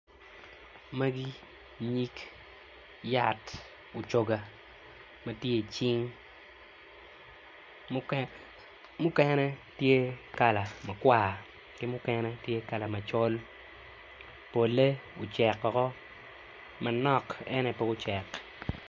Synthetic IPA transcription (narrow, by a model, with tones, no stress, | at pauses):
ma˦ɡi˦ | ɲi˦k | ja˦t | ʊ˨t͡ʃo˦ɡa˨ | mɐ˦tje˦˨t͡ʃɪ˦ŋ | mʊ˦kɛnɛ˦tje˦ka˨la˨mɐ˨kwa˨ | kɪ˦mʊ˦kɛnɛ˦tje˦ka˨la˨mɐ˨t͡ʃo˦l | po˨le˦ʊ˨t͡ʃɛ˨kːɔ˨kɔ˦ | mɐ˨nɔ˦kɛ˦nɛ˨pɛ˦ʊ˦t͡ʃɛ˨k